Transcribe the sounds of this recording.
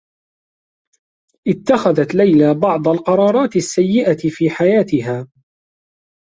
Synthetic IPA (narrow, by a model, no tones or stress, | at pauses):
ʔɪt̪ːaxaðat̪lajlabɑʕd̪ˤalqɑɾˤɑːɾˤɑːt̪ɪsːajːɪʔaɪfiːħajaːt̪ɪɦaː